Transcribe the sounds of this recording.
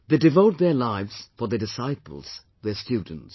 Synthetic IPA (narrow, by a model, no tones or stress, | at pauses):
ðedɪvoʊt̪̚ðə˞laɪvz̥fəðədɪsaɪpə̰l̩ˠz̥ | ðəstjʉdⁿə̃n̩ts